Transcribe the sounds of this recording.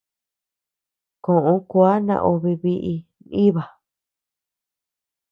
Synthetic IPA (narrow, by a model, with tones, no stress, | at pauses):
kõ˨ʔõ˧˦ku˧˦a˦nã̰˧ʔo˧βi˧βi˦ʔi˧ | i˦βa˨